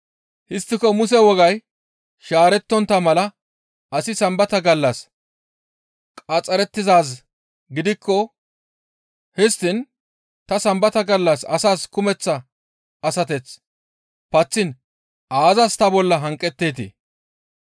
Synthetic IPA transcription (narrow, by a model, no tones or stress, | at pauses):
hɪst̪ːɪkɔmʊsɛwɔɡɐj | ʃaːɾɛt̪ːɔnt̪ɐmɐlɐ | ʔɐsɪsɐmbɐt̪ɐɡɐlːɐs | kʼɐt͡sʼːɐɾɛt̪ːɪzaːs | ɡɪd̪ɪkʰːɔ | hɪst̪ːɪn | t̪ɐsɐmbɐt̪ɐɡɐlːɐsɐ̰saːskʊmɛt͡sːɐ | ɐsɐt̪ɛt͡s | pɐt͡sːɪn | ʔaːzɐst̪ɐbɔlːɐɦɐŋkʼːɛt̪ːeːt̪ḭ